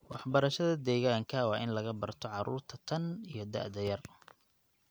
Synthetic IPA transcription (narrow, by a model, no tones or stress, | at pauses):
wɑħbɐɾɐʃɐðɐd̪ɛːɣaːŋkʰɐwɑʔɪnlɐɣɐbɐrt̪ʰɔʕɑɾṵːrt̪ʰɐt̪ʰɐnijɞd̪ɐ̰ʕd̪ɐjɐr